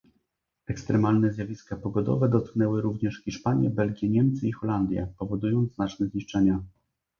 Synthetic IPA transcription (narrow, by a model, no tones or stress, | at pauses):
ɛkst̪ɾɛmalnɛzʲjavʲiskapɔɡɔd̪ɔ̰vɛd̪ɔt̪̚knɛwɘɾuvɲɛʂxʲçʲiʂpaɲjɛbɛlɡʲjɛɲɛmt̪sɘixɔland̪ʲjɛ̰pɔvɔd̪ujɔnd̪znat͡ʂnɛzɲiʂt͡ʂɛɲa